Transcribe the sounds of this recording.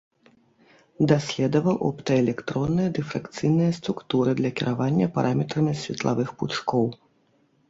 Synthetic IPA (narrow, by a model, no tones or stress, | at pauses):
d̪asʲlʲɛd̪ɐvɐwʔɔ̰pt̪ɐɛlʲɛkt̪ɾɔnːɨjɐd̪ɛfɾakt̪sɨjnɨjɐst̪ɾukt̪uɾɨd̪lʲɐkʲiɾʔavanʲːɐpa̰ɾʔamʲɛt̪ɾɐmʲisʲvʲɛ̰t̪lˠa̰vɨxput͡ʂkɔw